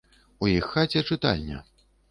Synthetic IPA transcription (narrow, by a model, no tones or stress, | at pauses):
ujixːat͡sʲɛt͡ʂɨt̪a̰lʲːɐ̰